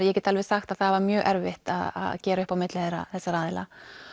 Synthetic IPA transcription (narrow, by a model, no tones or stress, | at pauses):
jɛcɛːt̪alvɛ̥saxt̪aðθaðvaɾmjœːɣʔɛɾvɪht̪aða̰ðcɛːɾaʏhpawmɪt̪lɪθeɾa̰θɛsːaɾaːðɪla̰